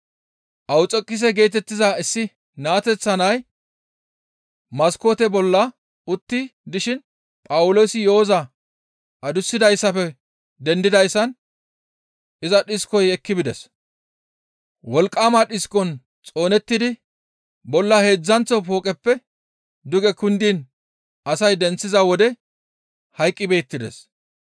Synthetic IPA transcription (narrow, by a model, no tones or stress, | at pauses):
ʔɐwt͡sʼɔkʼːɪs̬ɛɡe̞ːt̪ɛt̪ːɪzaɪsːɪ | naːt̪ɛt͡sːɐnɐj | mɐsko̞ːt̪ɛbɔlːɐ | ʊt̪ːɪd̪ɪʃɪn | pʼɐwʊlo̞ːsɪjoːzɐ | ʔɐd̪ʊsːɪd̪ɐjsːɐpɛ | d̪ɛnd̪ɪd̪ɐjsːɐn | ʔɪzɐɗɪskɔjɛkːɪbɪd̪ɛ̰s | wɔlkʼːaːmaɗɪskɔn | t͡sʼo̞ːnɛt̪ːɪd̪ɪ | bɔlːɐhe̞ːd͡zːɐnt͡sːɔpo̞ːkʼɛpːɛ | d̪ʊɡɛkʊnd̪iːn | ʔɐsɐjd̪ɛnt͡sːɪzɐwɔd̪ɛ | hɐjkʼːɪbe̞ːt̪ːɪd̪ɛ̰s